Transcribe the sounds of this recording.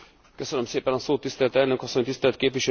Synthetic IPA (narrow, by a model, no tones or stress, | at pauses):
køsønømseːpɛnɒsoːt̪ːist̪ɛlt̪ɛlnøkɒsːo̞ɲt̪ist̪ɛlt̪̚keːpʋiʃɛ